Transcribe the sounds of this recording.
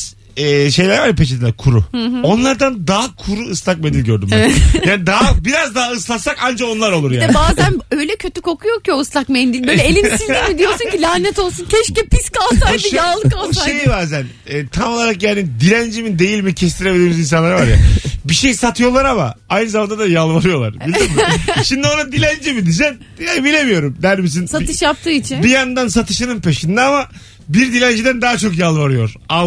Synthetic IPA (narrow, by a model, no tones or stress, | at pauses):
ɛːʃe̞jlʲæɾvaɾjapʰet͡ʃ̬id̪ilʲæɾkʰuɾṵo̞nlˠaɾd̪and̪aɦakʰuɾuɯslˠak̚mend̪ilʲɟøɾd̪ymɛaːnid̪aɦabiɾazd̪aɦaɯslˠasakand͡ʒao̞nlˠaɾo̞lˠuɾjiad̪ɛnbaːzænøjlʲɛcʰøt̪ʰykʰo̞kʰujokjooɯslˠakmend̪ilʲbølʲɛelʲinind̪imid̪ijo̞ɾsuncilʲaːnɛt̪o̞lˠsuncʰɛʃcɛpʰiskalˠsad̪ɯaːlˠɯkaaʃejibaːzæn | ɛːt̪ʰamo̞lˠaɾakjaːnid̪ilʲænd͡ʒimid̪e̞jilʲmicʰɛst̪ʰiɾebild̪ʲiːmizins̬anlˠaɾavaɾja̰biʃejsat̪ʰɯjo̞lˠaɾama̰ajnɯzamand̪ad̪ajalˠvaɾɯjo̞lˠa̰ɾbild̪imiʃimd̪io̞nad̪ilʲænd͡ʒimid̪id͡ʒɛn | jabilʲe̞mijo̞ɾumd̪æɾmis̬insaɯʃjap̚t̪ʰɯːit͡ʃʰinbijand̪ansat̪ʰɯʃɯnɯnpʰe̞ʃind̪aama | biɾd̪ilʲænd͡ʒid̪ænd̪aːt͡ʃʰo̞kjalˠvaɾɯjo̞ɾ̥a